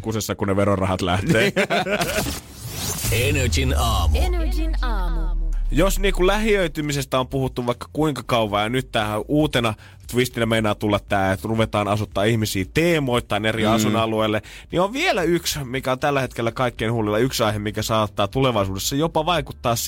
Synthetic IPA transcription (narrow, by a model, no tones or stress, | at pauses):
kusesːɑkuneʋeɾorɑhɑt̪læht̪eː | enøt͡ʃinɑːm | josniːkullæhiøyt̪ymisest̪æompuhut̪ːuʋʋɑikːɑ̥kuiŋkɑkɑuʋɑjɑnyt̪tːæːhæʔuːt̪enɑ | t̪ʋist̪inæmeinˑæːt̪ulːɑt̪ːæːlruʋet̪ɑːnɑsut̪ːɑːihmisiːt̪eːmoit̪ːɑineriɑsunɑlueːlːe | nioʋʋielæyksmikæont̪ælːæhet̪kelːækɑikːeinhulilːɑyksɑiɦemikæsɑːt̪ːɑːt̪uleʋɑisuːdesːɑjopɑʋɑikut̪ːɑːss